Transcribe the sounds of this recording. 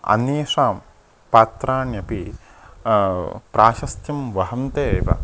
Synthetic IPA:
ɐ̰njeːʂaːm | paːt̪ɾaːɳjɐpi | pɾʔaːʃɐst̪jɐmʋɐɦɐmt̪eːʋɐ̰

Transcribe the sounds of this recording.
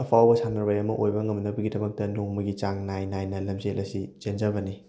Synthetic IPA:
ɐpʰawbɐsʰanɐɾbajɐmɐʔojbɐŋɐmnɐbɐɡidɐmɐk̚tɐnoŋmɐɡit͡ʃaŋnajnajnɐlɐmzelʔɐsit͡ʃend͡ʒɐbɐni

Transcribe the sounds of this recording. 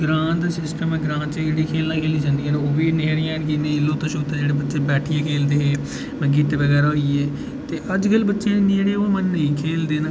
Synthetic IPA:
ɡɾãːnd̪sɪsʈəmɛ̃ːɡɾãːnt͡ʃed͡ʒeːɽiːkʰeːlnãːkʰeːliːd͡ʒãːnd̪iːeːnoːʋiːneːɾɪjãːnkinẽːɪlːoːt̪əʃoːt̪ːeːd͡ʒeːɽeːbətːʃeːbɛːʈʰɪjãːkʰeːld̪eːɦeː | məɡɪt̪ʋəɡɛːɾaːɦoiːɛː | t̪eːʔəd͡ʒkəlbətːʃeːnːd͡ʒeːɽeːoːmənːəĩːkʰeːld̪eːnː

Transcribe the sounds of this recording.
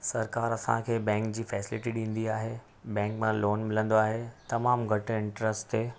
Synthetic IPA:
sɐɾkaːɾɐsã̰kʰeːbɛ̃ːŋkd͡ʑiːfɛːsɪlɪʈiɗĩːn̆d̪iaːɦeː | bɛ̃ːŋkmãloːnmɪlə̃nd̪oaːɦet̪ɐmaːmɡʱɐʈ̆ɪ̃ɳʈɾəsʈt̪eː

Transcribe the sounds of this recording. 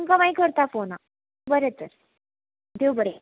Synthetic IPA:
ŋkamaikəɾt̪afona | bəɾet̪əɾ | d̪ewbəɽe

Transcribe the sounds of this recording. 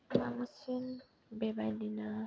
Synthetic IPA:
ba̰musin̩ | bɛbadina

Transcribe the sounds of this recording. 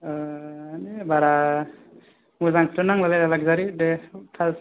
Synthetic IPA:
nibaɾa | muzaŋkʰtɯnaŋlalalalaɡ̚zaɾidetʰas

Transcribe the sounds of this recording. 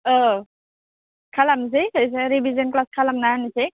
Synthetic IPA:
ɔ | kʰalams̬ejsajs̬eɾibʱizɔnklaskʰalamnanisej

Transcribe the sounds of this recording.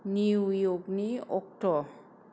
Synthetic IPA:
niwjoɡniokʈɔ

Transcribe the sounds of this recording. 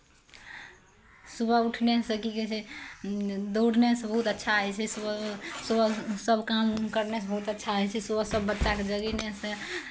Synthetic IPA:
subʱəuʈʰnesəkiket͡ʃʰɛ | d̪oɽnesẽbəɦut̪ətːʃʰaəjt͡ʃʰɛsusubəsəbkamkəɾnesẽbəɦut̪ətːʃʰaɦəjt͡ʃʰɛsubəsəbːətːt͡ʃaked͡ʒəɡinesẽ

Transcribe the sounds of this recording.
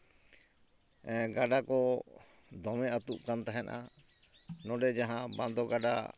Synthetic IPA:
ɡaɖakɔ | d̪ɔmɛʔat̪uʔkant̪aɦɛna̰ | nɔɖɛd͡ʒaɦãbãnd̪ɔɡaɖa̰

